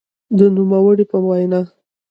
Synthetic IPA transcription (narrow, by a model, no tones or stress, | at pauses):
d̪ənumawəɽipəwajna